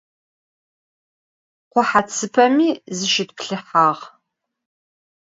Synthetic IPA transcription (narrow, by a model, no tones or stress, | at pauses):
qʷʊħat͡sʰɨpʰɐmiːzɨʃɪt̚pɬɨħaːʁ